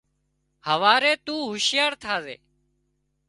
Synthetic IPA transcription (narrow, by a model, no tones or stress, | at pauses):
həʋaːɾeːt̪uːɦʊʃɪjaːɾt̪ʰaːzḛː